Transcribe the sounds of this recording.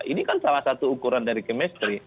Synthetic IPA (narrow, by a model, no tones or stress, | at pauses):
ʔinikansalahsat̪uːkuɾandaɾikəmɛst̪ɾi